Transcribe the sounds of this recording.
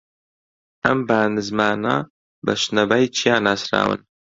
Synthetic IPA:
ɐmbaːnɨzmaːna̰ | bɐʃnɐbajt͡ʃʰijaːnaːsɾa̰ːwɨ̰n

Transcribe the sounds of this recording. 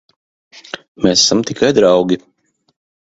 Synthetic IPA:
mesḁsamt̪ikʰajd̪ɾɑwɡʲi

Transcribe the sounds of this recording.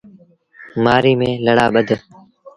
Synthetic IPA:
maːɾiːmẽːləɽaːɓəd̪ʱ

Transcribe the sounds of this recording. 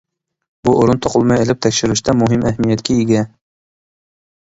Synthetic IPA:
buʔoɾʊnt̪ʰoqʰʊlˠmɑjelɪp̚t̪ʰækʲʃɪɾuʃt̪ʰɛmʊɦɪmʔæhmijæt̪kʲʰæɪɡʲɛ

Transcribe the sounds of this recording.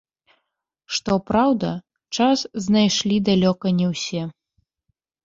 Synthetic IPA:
ʂt̪ɔpɾawd̪ɐ | t͡ʂasznajʂlʲid̪alʲɔkɐnʲɛwsʲɛ

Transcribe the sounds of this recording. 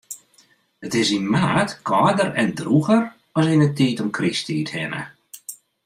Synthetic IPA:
ətɪsinmaːtkʰɔːdəɾɛndruɣər | ɔsinətiːtɔmkʰristiːthɪ̰nə̰

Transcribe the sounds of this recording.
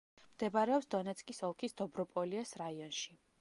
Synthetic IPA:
md̪̥ɛbaɾɛɔpsd̪ɔnɛt̪sʰʼkʼisɔlˠkʰisd̪̥ɔbɾɔpʼɔliasɾaiɔnʃi

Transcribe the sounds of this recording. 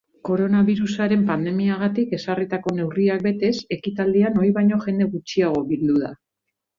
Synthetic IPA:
ko̞ɾo̞naβiɾusaɾe̞mpand̪e̞miaɣ̞at̪ike̞sarit̪ako̞ne̞wriak̚be̞t̪e̞se̞kit̪ald̪iano̞jβajɲo̞ʝe̞nd̪e̞ɣut͡ʃiaɣ̞o̞βild̪uða̰

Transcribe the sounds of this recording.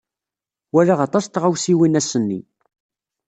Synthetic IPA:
wælaʁɑt̪ˤɑst̪ʁawsiwinæsənːḭ

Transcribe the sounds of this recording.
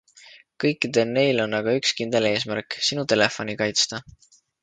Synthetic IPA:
kɤjkːˑid̪̥e̞lne̞jlo̞nːɑɡ̥ɑykskind̪̥e̞le̞ːs̬mæɾksinut̪e̞le̞fo̞nikɑjt̪st̪ɑ

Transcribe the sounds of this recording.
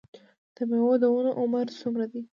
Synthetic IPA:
d̪̥əmewod̪əunoʔʊmaɾsumɾad̪i

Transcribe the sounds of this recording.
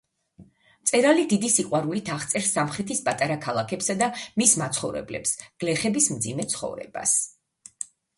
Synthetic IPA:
mt̪sʼɛɾalid̪id̪isiqʼwaɾulit̪ʰaχt̪sʼɛɾsːamχɾɛt̪ʰispʼat̪ʼaɾakʰalˠakʰɛpsad̪amismat̪sʰχɔvɾɛ̰blɛ̰psɡ̥lɛχɛbismd̪zimɛt̪sʰχɔ̰vɾɛ̰ba̰s

